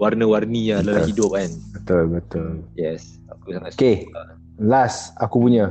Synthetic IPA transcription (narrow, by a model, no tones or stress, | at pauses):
warnəwarnijaləahidʊp̚anbət̪ʊlbət̪ʊljɛs | akusaŋake | lasakupuɲə